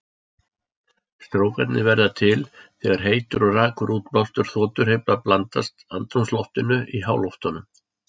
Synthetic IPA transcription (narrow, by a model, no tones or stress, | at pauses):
st̪ɾoːwkɛ̰t̪nɪvɛɾðat̪ʰɪlθɛːɣaɾ̥ɦeːjt̪ʏɾɔraːkʏɾʔuːt̪plawst̪ʏɾ̥θɔːt̪ʏɾ̥hejplaplant̪ast̪a̰nt̪ɾumslɔft̪ɪnʏʔiɦaːwlɔwft̪anʏm